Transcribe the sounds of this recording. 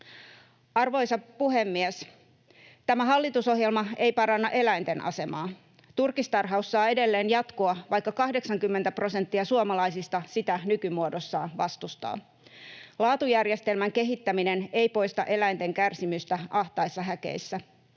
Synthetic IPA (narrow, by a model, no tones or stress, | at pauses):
ɑrʋo̞jsɑpuɦe̞mːies | t̪æmæɦɑlːit̪uso̞ɦjelmɑe̞jpɑɾɑnːɑʔe̞læjnt̪e̞nʔɑ̰se̞mɑː | t̪urkist̪ɑrɦɑusːɑːe̞de̞lːeːnjɑt̪koɑʋɑjkːɑkɑhde̞ksɑŋkymːent̪æpro̞se̞nt̪ːiɑsuɑmɑlɑijsist̪ɑsit̪ænykymuodosːɑːʋɑst̪ust̪ɑ̰ː | lɑːt̪ujærjest̪e̞lmæŋke̞ɦit̪ːæmine̞ne̞jpo̞jst̪ɑ̰ʔe̞læjnt̪e̞ŋkærsimyst̪æʔɑht̪ɑisːɑɦæke̞̰isːæ